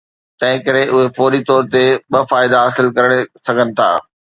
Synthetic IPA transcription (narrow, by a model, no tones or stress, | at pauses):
t̪ɐ̃ɦɪ̃kɐɾeʔʊɦefoːɾit̪ɔːɾt̪eɓɐfaːɪd̪aɦaːsɪlkɐɾəɽ̃esɐɡʱənɪ̆t̪ʰa̰ː